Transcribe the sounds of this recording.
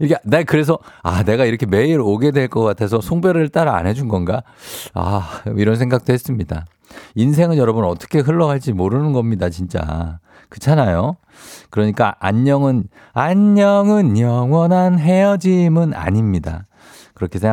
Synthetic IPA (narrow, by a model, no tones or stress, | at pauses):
ikʰenekɯɾe̞s̬ʰʌane̞ɡaiɾʌkʰe̞me̞iɾoɡe̞dwe̞ɭk͈ʌk͈atʰe̞s̬ʰʌsʰoŋbeɾɯɭt͈aɾa̰ːnɦe̞d͡ʑunɡʌnɡa | a̰iɾʌnsʰeŋɡak̚t͈oɦes͈ɯmɲida | ins̬ʰe̞ŋɯnjʌɾʌbɯnʌt͈ʌ̥kʰe̞ɦɯɭːʌɡaɭt͡ɕ͈imoɾɯnɯnɡʌmɲidat͡ɕint͡ɕ͈a̰ | kɯt͡ɕʰanajo | kɯɾʌɲik͈aʔa̰ɲːʌŋɯn | aɲːʌŋɯnjʌŋwʌnanɦe̞jʌd͡ʑimɯna̰ɲimɲida̰ | kɯɾʌkʰesʰe